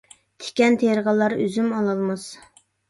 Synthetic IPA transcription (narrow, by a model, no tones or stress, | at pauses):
t̪ʰe̥kʲɛnt̪ʰeɾʁɑlˠːɑɾøzymɑlˠɑlˠmɑz